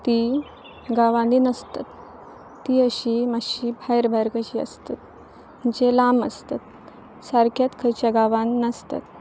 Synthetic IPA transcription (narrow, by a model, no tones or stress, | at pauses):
t̪i | ɡaʋãninəst̪a̰t̪ː | iəɕimaɕibʱajɾbʱajɾkəɕiːə̰st̪at̪̚ | m̤əɳd͡ʑelaməst̪at̪̚ | saɾkʰjat̪kʰəjt͡ɕjaɡaʋãninəst̪a̰t̪